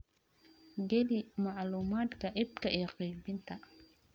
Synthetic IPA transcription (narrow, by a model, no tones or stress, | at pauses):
ɡɛlimɑʕluːmaːd̪kʰɐʔɪb̚kʰɐʔijɔqiːbɪnt̪ʰɐ